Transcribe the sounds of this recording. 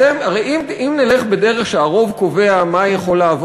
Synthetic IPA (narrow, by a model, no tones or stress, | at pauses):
emaʁejimimneleχbede̞ʁeχʃeaʁo̞vko̞veamajeχo̞laːvo